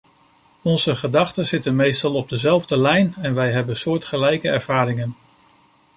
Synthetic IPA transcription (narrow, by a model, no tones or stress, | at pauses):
ɔnzəχədɑχtəz̥ɪtənmejstɑlˠɔb̚dəzɛlˠvdəlɛjnɛnʋɛjɦɛbənsʊːɹtχəlɛjkəɛɹv̥aːɾɪŋən